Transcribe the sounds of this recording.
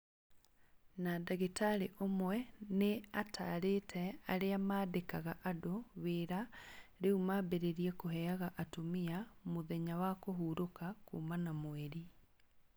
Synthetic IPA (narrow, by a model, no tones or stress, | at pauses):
nadaɣetaɾeʔomwɛneatʰa̰ɾetʰɛaɾeamaːdekaɣaʔadoβeːɾaɾeumabeɾeɾiɛkoɦɛaɣaʔatomiamoðɛɲawakoɦuːɾokakṵːmanamoɛɾi